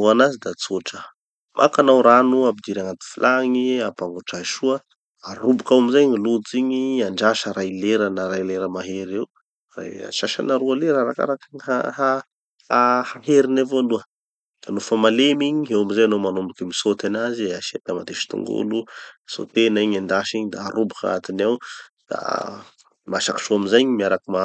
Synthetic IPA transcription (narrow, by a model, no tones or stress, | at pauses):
uanazid̪at͡soʈ͡ʂə | mʔa̰kanawɾanuabid̪iɾaŋat̪u̥filʔaŋiapaŋɡuʈ͡ʂaʃuə | arubukawamizaɲilud͡ziɲiaɳɖ͡ʐaʃəɾajleɾənaɾajleɾəmaɦeɾew | ra̰ja̰ʃaʃa̰naɾualeɾaɾaka̰ɾakaɲɦaɦa | ahaɦeɾinavoluə | d̪̥alufamalemiɲiɦewamizajanomanumbukimisot̪anaziaʃed̪amad̪eʃi̥t̪ṵŋɡṵluso̰t̪enaiɲand̪aʃiɲid̪aa̰ɾubuka̰a̰t̪inawd̪̥a̰ | maʃaki̥ʃuamizajɲimiaɾakima